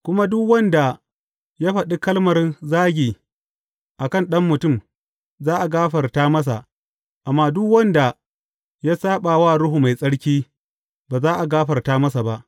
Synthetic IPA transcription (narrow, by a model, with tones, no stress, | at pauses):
kʷʊ˦ma˦dʊ˦kwɐ˦nda˨ | ja˦ɸɐ˨ɗi˦kɐ˦lmɐ˨rzaː˦ɡʲiː˨ | ʔa˨kɐ˦˨nɗɐ˦mːʊ˨tʊ˦˨m | zaː˦ʔa˨ɡaː˦ɸɐ˨rtaː˦mɐ˦s̬a̰˨ | ʔa˨mːaː˦dʊ˦kwɐ˦nda˨ | jaː˦saː˦ɓaː˨waː˦˨ɾʊ˦ɦu˨ma˨jsʼɐ˦ɽkʲiː˦ | baː˨zaː˦ʔa˨ɡaː˦ɸɐ˨rtaː˦mɐ˦s̬a˨ba˦ʔ